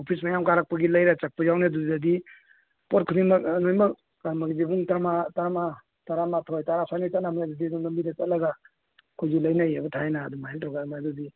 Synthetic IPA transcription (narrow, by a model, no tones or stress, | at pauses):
opʰismajamkaɾak̚paɡilajɾat͡ʃak̚pajawnedudzadi | pɔt̚kʰudimaknojmak | amaɡid͡ʒibuŋtamatama | taɾamatʰɔjtaɾasʰanit͡ʃatnamajazadiduŋnambidat͡ʃatlaɡa | kʰojd͡ʒulajnajabutʰajnadumaɦentʰɔɡamadudi